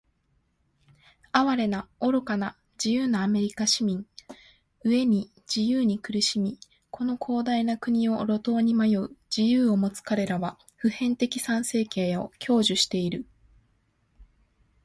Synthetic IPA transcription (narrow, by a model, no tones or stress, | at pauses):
aβaɾe̞nao̞ɾo̞kana | d͡ʑijɯːnaːme̞ɾʲikaɕimʲĩŋ | ɯ̟e̞ɲ̟i | d͡ʑijɯːɲ̟ikɯ̟ɾɯ̟ɕimʲi | ko̞no̞kʰo̞ːd̪ainakɯ̟ɲ̟io̞ɾo̞t̪o̞ːɲ̟imajoɯd͡ʑijɯːo̞mo̞t͡sɨ̥kaɾe̞ɾaβa | ɸɯ̟hẽ̞nt̪e̞kʲi̥sãɰ̃se̞ːkẽ̞ɰo̞kʲʰo̞ːʑɨɕi̥t̪e̞iɾɯ̟